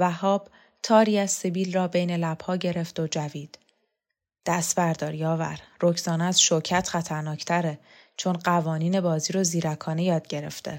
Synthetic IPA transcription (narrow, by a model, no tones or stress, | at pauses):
væhɒːb̥ | t̪ʰɒːɾiːæzsebiːlrɒːbe̞jne̞læb̥hɒːɟe̞ɾe̞fd̪od͡ʒæviːd̪̥ | d̪̥æst̪bæɾd̪ɒːɾjɒːvæ̰ɾrocʰz̥ɒːneæz̥ʃocʰæt̪ʰχæt̪ʰæɾnɒːcʰt̪ʰæɾe | t͡ʃʰonɢævɒːniːne̞bɒːziːɾoziːɾækʰɒːne̞jɒːd̪̥̚ɟe̞ɾe̞̰ft̪ʰe